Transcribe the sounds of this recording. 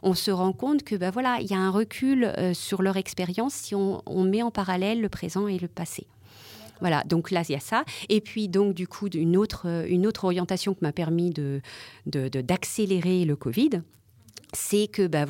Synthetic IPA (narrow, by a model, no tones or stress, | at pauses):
ɔ̃səʁɑ̃kɔ̃t̪kʰəbavwalaḭljaɛ̃ʁəkʲʰylø̰syʁlœʁɛkspeʁjɑ̃sːiɔ̃ɔ̰̃mɛɑ̃paʁalɛlːəpχezɑ̃eləpasḛ | vwala̰d̪ɔ̃klajasaepɥid̪ɔ̃kd̪ykʰuynot̪χøynot̪χɔʁjɑ̃t̪asjɔ̃kʲimapɛʁmid̪əd̪əd̪əd̪akseleʁeləkɔvid̪ | sɛkəba